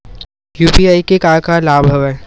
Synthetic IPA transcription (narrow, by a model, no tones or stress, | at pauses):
juːpiaːikekaːɾkalaːbʱəʋɛ